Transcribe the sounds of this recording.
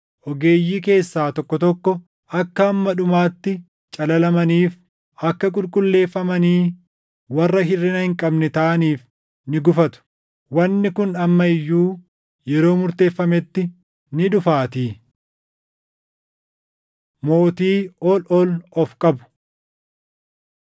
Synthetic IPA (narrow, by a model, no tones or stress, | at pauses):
ʔɔɡe̞ːjːiːke̞ːsːaːt̪ɔkːɔt̪ɔkːɔ | ɐkːɐːmːɐᶑʊmaːt̪ːɪ | t͡ʃʼɐlɐlɐmɐniːf | ʔɐkːɐkʼʊlkʼʊlːe̞ːfːɐmɐniː | wɐrːɐɦɪrːɪnɐhɪŋkʼɐbnɛt̪ɐʔɐniːf | nɪɡʊfɐt̪ʊ̥ | wɐnːɪkʊnɐmːɐɪjːuː | jɛɾo̞ːmʊɾt̪e̞ːfːɐmɛt̪ːɪ | nɪᶑʊfaːt̪iː | mo̞ːt̪iːɔlɔlɔfkʼɐbʊ̥